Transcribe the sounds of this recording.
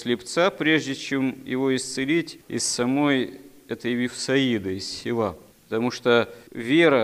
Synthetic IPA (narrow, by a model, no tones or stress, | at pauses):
sʲlʲɪpt̪sapɾʲe̞ʐdʲɪt͡ɕe̞mjɪ̰vo̞ɪst̪sɨlʲitʲɪ̰sːɐmo̞j | ɛt̪əjvʲɪfsɐid̪əɪssʲɪlˠapət̪ɐmuʂt̪ovʲeɾə